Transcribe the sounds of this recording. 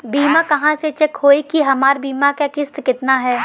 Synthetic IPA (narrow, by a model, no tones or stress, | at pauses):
biːmakɐɦãset͡ʃɛkhoːekiɦɐmaːɾbiːmakakɪst̪kɪt̪naɦɛː